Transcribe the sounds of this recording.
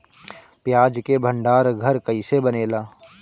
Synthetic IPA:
pjaːd͡ʒkebʱə̃ɳɖaːɾɡʱɐɾkɐisebɐneːlaː

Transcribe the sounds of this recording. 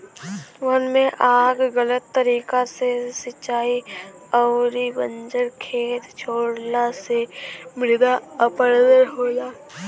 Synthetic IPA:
ʋənmẽʔaːɡɣələt̪ːəɾiːkasesət͡ʃaːiɔːɾibə̃nd͡ʒəɾkʰeːt̪t͡ʃʰoːɽnasemɪɾd̪aəpəɾd̪əɾɦoːd͡ʒaː

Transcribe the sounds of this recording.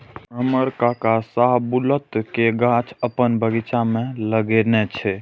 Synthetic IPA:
əməɾkakasaɦbulət̪keɡãt͡ʃʰəpənbəɡit͡ʃameləɡenɛt͡ʃʰɛ

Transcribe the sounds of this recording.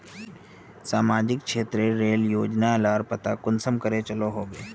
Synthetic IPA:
saːmaːd͡ʒɪk̚kʃeːt̪ɾeɾeːljoːd͡ʒnalaːɾpɐt̪akʊnsəmkəɾet͡ʃɐloɦoːɡeː

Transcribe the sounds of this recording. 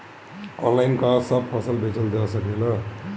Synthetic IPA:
ʌ̰nlajnkasʌb̚pʰʌsʌlbʱet͡sʰʌldasʌknelʌ

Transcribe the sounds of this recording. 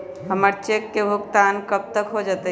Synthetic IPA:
ɦəməɾt͡ʃekːebʱukt̪ankəp̚t̪əkɦod͡ʒət̪ə

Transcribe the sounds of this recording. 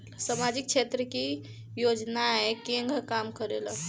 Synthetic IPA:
samad͡ʒik̚t͡ʃʰet̪ɾəki | jod͡ʒnaɦɛkeŋɡʱəkamkəɾela

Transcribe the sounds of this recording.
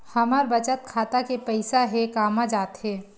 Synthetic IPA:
hɐməɾbət͡ʃət̪̚kʰaːt̪akepɛɪsaɦekaːmãd͡ʒaːt̪ɦɛː

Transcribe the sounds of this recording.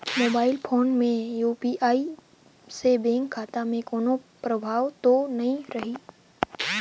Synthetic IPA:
moːbaːɪlpʰoːnmẽjuːpiʔaːi | sebẽːŋkʰːaːt̪amẽkoːnopɾəbʱaːʋt̪onɐɦĩɾɐɦiː

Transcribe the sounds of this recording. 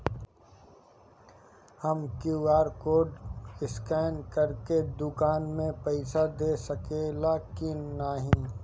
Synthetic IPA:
həmkjuaːɾkoːɖɪskɛːnkəɾked̪ʊkaːnmẽpɛɪsad̪eːsəkeːlakinaɦĩ

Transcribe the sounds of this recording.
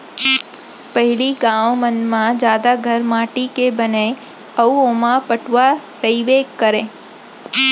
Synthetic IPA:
pəɦiliɡãʋmənmãd͡ʒad̪aɡʱəɾmaʈikebəne | əuomãpəʈʋa | ɾəiʋeɡkːəɾẽ

